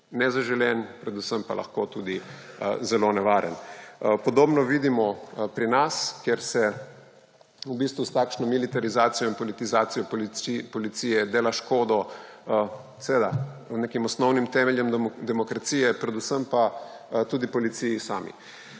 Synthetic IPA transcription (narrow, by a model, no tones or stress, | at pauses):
nɛzaʒɛljɛnpɾɛd̪usəmpa̰la̰xkot̪uːd̪i | zɛlonɛʋaːɾə̰npɔd̪oːbnɔʋiːd̪imɔpɾinaskjɛɾsɛ | ubist̪ʋust̪akʃnɔmilit̪aɾizaːt̪sijɔinpɔlit̪izaːt̪sijɔlpɔlit̪siːjɛd̪eːlaʃkoːd̪ɔ | sɛʋeːd̪anekimɔsnɔwnimt̪ɛmɛljɛmd̪ɛmɔkɾat̪siːjɛpɾɛd̪usəmpat̪uːd̪ipɔlit̪sijisaːmḭ